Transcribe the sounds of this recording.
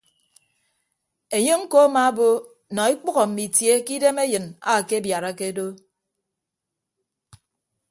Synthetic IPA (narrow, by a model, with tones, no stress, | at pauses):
e˨ɲe˦ŋ̩˦ko˦a˦ma˦a˦bo˦ | nɔ˨i˦k͡pɔ˦ɣɔ˨m̩˨mi˨tje˦ki˦de˦me˦jɨ˨na̰˦˨ke˦bja˨ɾa˦ke˦do˦